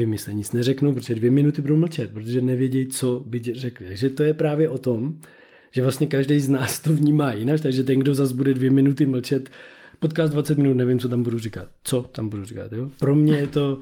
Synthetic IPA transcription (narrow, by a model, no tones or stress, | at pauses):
vɪmɪslɛɲɪt͡snɛrɛknuwp̬ɾot̪ʒɛdvjɛmɪnut̪ɪbuduwml̩t͡ʃɛt̪̚pɾot̪̬oʒɛnɛvjɛɟɛjt͡sobɪcrɛklɪt̪aɡʒɛt̪o̞jɛpɾaːvjɛʔo̞t̪om | ʒ̥ɛvlast̪ɲɛkaʒdɛjznaːst̪ovɲiːmaːjɪnat͡ʃt̪aɡʒɛt̪̬ɛŋɡdo̞zazbudɛdvjɛmɪnut̪ɪml̩t͡ʃɛt̪pot̪̚kaːst̪dvatt͡sɛt̪mɪnut̪nɛvɪmt͡sot̪ambudurikat̪̚t͡sot̪ambudurika̰t̪joːpɾo̞mɲɛjɛt̪o̞